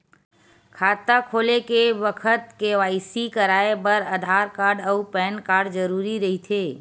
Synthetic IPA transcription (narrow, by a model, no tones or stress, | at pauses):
kʰaːt̪akʰoːlekebəkʰət̪keʋaːɪsikəɾaːebəɾəd̪ʱaːɾkaːɾɖəupɛːnkaːɾɖd͡ʒəɾuːɾiɾɐɦit̪ʰeː